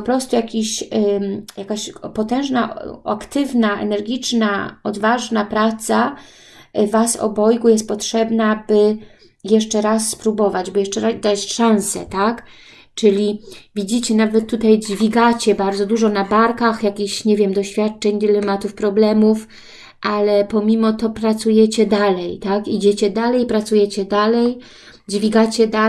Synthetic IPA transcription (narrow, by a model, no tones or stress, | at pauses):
pɔpɾɔst̪ujakʲiɕ | jakaɕpɔt̪ɛ̃w̃ʐnaa̰kt̪ɘvnaʔɛ̰nɛɾɡʲit͡ʂnaɔd̪vaʐnapɾat̪sa | vasɔ̰bɔjɡujɛst̪̚pɔtʂɛbnabɘ | jɛʂt͡ʂɛɾasːpɾubɔvad͡ʑbɨjɛʂt͡ʂɛɾazd̪at͡ɕʂãñsɛ̰t̪ak | t͡ʂɘlʲivʲid͡ʑit͡ɕɛnavɛt̪ːut̪ajd͡ʑvʲiɡat͡ɕɛbaɾdzɔd̪uʐɔnabaɾkaxjakʲiɕɲevʲjɛmd̪ɔɕfʲjat̪̚t͡ʂɛɲd̪ilɛmat̪ufpɾɔblɛmuf | ʔalɛpɔmʲimɔt̪ɔpɾat̪sujɛt͡ɕɛd̪alɛjt̪akid͡ʑet͡ɕɛd̪alɛjpɾat̪sujɛt͡ɕɛd̪alɛj | d͡ʑvʲiɡat͡ɕɛd̪a